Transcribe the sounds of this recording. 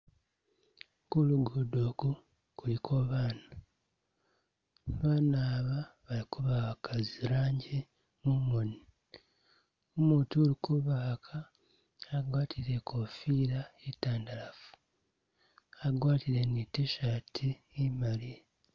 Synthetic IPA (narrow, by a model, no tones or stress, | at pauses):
kuluɡodoːku | kulikʰoβaːna | βaːnaːβaβalikuβakaziɾaːɲɟe | mumoni | omuːtuolikuβaːkʰaː | ɡwaːtʰiɾe̞kʰofiːɾaitaːndalafu̥ | aɡwaːtiɾe̞niteʃatʰiː | mali